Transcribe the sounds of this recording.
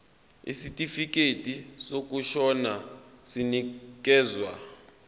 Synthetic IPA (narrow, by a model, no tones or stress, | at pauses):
ḭsitʼifik̬ʼetʼisok̬ʼuʃɔnasinik̬ʼɛːzwa̰